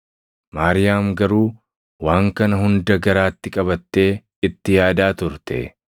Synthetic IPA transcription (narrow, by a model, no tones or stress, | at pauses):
maːɾɪjaːmɡɐɾuː | waːŋkɐnɐɦʊnd̪ɐɡɐɾaːt̪ːɪkʼɐβɐt̪ːe̞ː | ɪt̪ːɪjaːd̪aːt̪ʊɾt̪ɛ̰